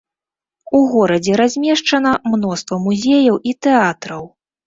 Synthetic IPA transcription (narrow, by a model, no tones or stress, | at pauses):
uɣɔɾɐd͡zʲɛɾazʲmʲɛʂt͡ʂɐnɐmnɔst̪vɐmuzʲejɐwit̪ɛat̪ɾɐw